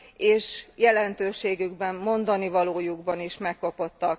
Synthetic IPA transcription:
eːʃjɛlɛnt̪øːʃeːɡyɡbɛmːo̞nd̪ɒnivɒloːjuɡbɒniʃmɛkːo̞po̞t̪ːɒk

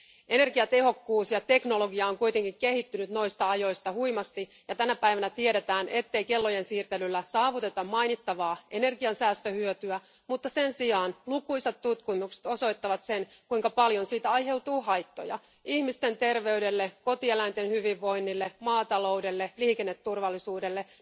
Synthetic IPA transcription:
ʔe̞ne̞rɡiɑt̪e̞ho̞kːuːsjɑt̪e̞kno̞lo̞ɡiɑoŋkuijt̪e̞ŋkiŋke̞hit̪ːynyt̪no̞jst̪ɑɑjo̞jst̪ɑhujmɑst̪i | jɑt̪ænæpæiʋænæt̪iede̞t̪æːnʔe̞t̪ːe̞ike̞lːo̞je̞nsiːrt̪e̞lylːæsɑːʋut̪e̞t̪ɑmmɑjnit̪ːɑʋɑːʔe̞ne̞rɡiɑnsæːst̪øhyøt̪yæ | mut̪ːɑsensiɑːnlukuisɑt̪t̪ːut̪kumukse̥t̪oso̞it̪ːɑʋɑt̪senkuiŋkɑpɑljonsiːt̪æɑjhe̞wt̪uːhɑjt̪ːo̰jɑ̰ | ihmist̪e̞nt̪e̞rʋe̞yde̞lːeko̞t̪ielæint̪enhyʋiʋːo̞inːilːemɑːt̪ɑlo̞wdelːeliːkenːet̪ːurʋɑlːisuːdelːe

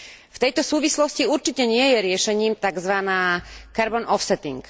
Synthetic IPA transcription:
ft̪ɛjt̪ɔsuːʋislɔsciuɾt͡ʃicɛɲɪɛjɛɾɪɛʃɛɲiːmt̪aɡzʋanaːkaɾbɔnɔfsɛt̪ḭŋk

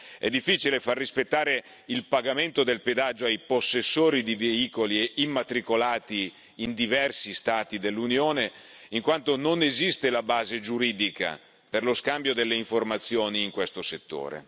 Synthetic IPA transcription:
ɛ̰d̪ːifːiːt͡ʃilefarːispet̪ːaːɾe | ilpaɡament̪od̪elped̪ad͡ʒːoajposːesːoːɾid̪iveiːkolieimːat̪ɾikolaːt̪iː | nd̪ivɛrsist̪aːt̪id̪elːunjoːne | iŋkwant̪ononezist̪elabaːzed͡ʒuɾiːd̪ika̰ | perloskambjod̪elːeiɱformat̪sːjoːniːŋkwest̪oset̪ːo̰ːɾḛ

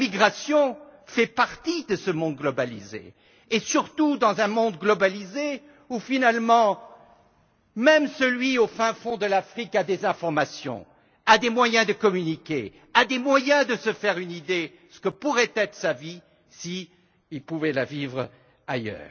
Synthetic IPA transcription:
miɡʁasjɔ̃fɛpaʁt̪id̪əsəmɔ̃d̪̚ɡlɔbalizḛː | syʁt̪ud̪ɑ̃zɛ̃mɔ̃d̪̚ɡlɔbalize | ufinalmɑ̃ | mɛmsəlɥiofɛ̃fɔ̃d̪əlafχikad̪ezɛ̃fɔʁmasjɔ̰̃ | ad̪emwajɛ̃d̪əkɔmynikʲḛ | ad̪emwajɛ̃d̪əsəfɛʁynid̪e | sə̥kəpuʁɛt̪ɛt̪χə̥savi | si | ilpuvɛlavivʁ | ajœ̰ːʁ

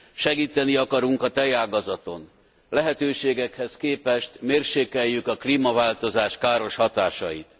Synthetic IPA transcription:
ʃɛɡiːt̪ɛniɒkɒɾuŋkɒt̪ɛjaːɡɒzɒt̪o̞̰n | lɛɦɛt̪øːʃeːɡɛkhɛskeːpɛʃt̪meːrʃeːkɛjːykɒkliːmɒvaːlt̪o̞zaːʃkaːɾo̞ʃhɒt̪aːʃɒjḭt̪

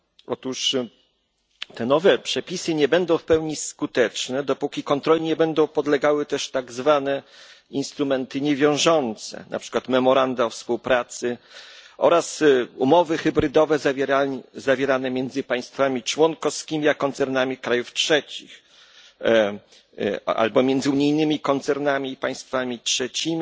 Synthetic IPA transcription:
ɔ̰t̪uʂ | t̪ɛnɔvɛpʂɛpʲisɘɲɛbɛnd̪ɔ̃w̃fpɛwɲiskut̪ɛt͡ʂnɛd̪ɔpukʲikɔnt̪ɾɔlʲiɲɛbɛnd̪ɔ̃w̃pɔd̪lɛɡawɘt̪ɛʂt̪aɡzvanɛ | inst̪ɾumɛnt̪ɘɲɛvʲjɔ̃w̃ʐɔnt̪sɛ̰nʔa̰pʂɘ̥kwat̪mɛmɔɾand̪afspuwpɾat̪sɘ | ɔ̰ɾasumɔvɘxɘbɾɘd̪ɔvɛzazavʲjɛɾanɛmʲjɛnd̪zɘpaj̃st̪famʲit͡ʂwɔnkɔfskʲimʲiakɔnt̪sɛɾnamʲikɾajuftʂɛt͡ɕḭx | a̰lbɔmʲjɛnd̪zɘuɲijnɘmʲikɔnt̪sɛɾnamʲiːpaj̃st̪famʲitʂɛt͡ɕimʲi

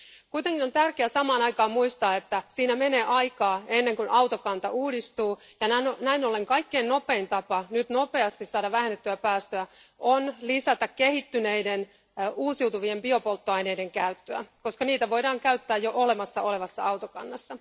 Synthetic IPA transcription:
kuit̪eŋkino̞nt̪ærkeæsɑmɑːnɑjkɑːmmuist̪ɑːe̞t̪ːæsiːnæme̞ne̞ːʔɑjkɑːe̞nːe̞ŋkunʔɑwt̪okɑnt̪ɑʔuːdist̪uː | jɑnænonæinole̞ŋkɑikːe̞inno̞pe̞int̪ɑpɑnyt̪no̞pe̞ɑst̪issɑːdɑʋʋæɦenːet̪ːyæpæːst̪øæʔonlisæt̪ækkehit̪ːyne̞ijden | uːsiwt̪uʋiempio̞po̞lt̪ːoɑine̞ide̞ŋkæyt̪ːøæ̰ko̞skɑniːt̪æʋo̞jdɑːŋkæyt̪ːæːjjoʔole̞mɑsːɑʔo̞le̞ʋɑsːɑɑwt̪okɑ̰nːɑsːɑ

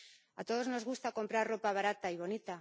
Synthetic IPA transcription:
at̪o̞ð̞o̞zno̞zɣ̞ust̪ako̞mpɾarro̞paβaɾat̪aiβo̞nit̪a

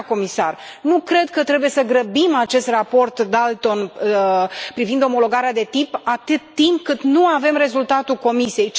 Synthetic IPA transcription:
ko̞misa̰r | nukɾe̞d̪̚kət̪ɾe̞buje̞səɡɾəbimat͡ʃe̞st̪rapo̞rt̪d̪alt̪o̞n | pɾivind̪o̞mo̞lo̞ɡaɾead̪e̞t̪ipat̪ɨt̪ːimp̚kɨt̪nuave̞mre̞zult̪at̪ulko̞misije̞j

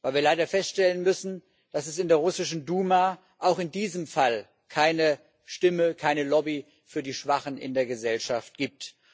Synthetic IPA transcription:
vaɪlviːɐlaɪdɐfɛstʃtɛlənmʏsn̩ | d̥asɛsɪndeːɐʁʊsɪʃn̩duːma | ʔaʊxɪndiːzəmfal | kʰaɪnə | ʃtɪməkʰaɪnəlɔbi | fyːɐdiːʃv̥aχən̩ɪ̰ndeːɐɡəzɛlʃaft̚ɡ̥iːp̚t

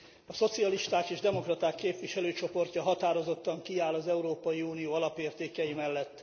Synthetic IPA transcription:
ɒso̞t̪siɒliʃt̪aːkeːʒd̪ɛmo̞krɒt̪aːkːeːpʋiʃɛløːt͡ʃo̞po̞rcɒɦɒt̪aːɾo̞zo̞t̪ːɒŋkiaːlɒzɛuɾoːpɒjiuːnijoːɒlɒpeːrt̪eːkɛjimɛlːɛt̪ː

